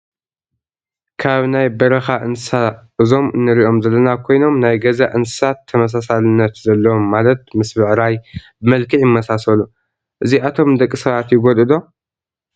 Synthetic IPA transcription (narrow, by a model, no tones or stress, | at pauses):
kʰaβnajbɐɾɐxaʔɨnsaʔɨzo̞mɨnːɨɾiʔo̞mzɐlːɐnakʰo̞jno̞mnajɡɐzaʔɨnsɨ̥sat̪ʰːɐmɐs̬asalɨnːɐt̪zɐlːɐwomːalɐt̪̚mɨsbɨʕɾajbɨmɐlkʰɨʕjɪmːɐsasɐlu | ʔɨziʔat̪ʰo̞md̪ɐkʼːisɐβat̪jɪɡod̪ɨd̪o̞